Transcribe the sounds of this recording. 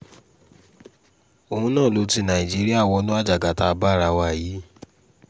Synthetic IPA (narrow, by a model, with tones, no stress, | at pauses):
o˨hũ˧˦nãː˦˨lo˨˧˦ti˧nã˨i˨d͡ʒi˦ɾi˦a˦˨wɔ˧˦nũ˦a˦˨d͡ʒa˨ɡa˨˦ta˧ba˦˨ɾa˧wa˧˨jiː˨˦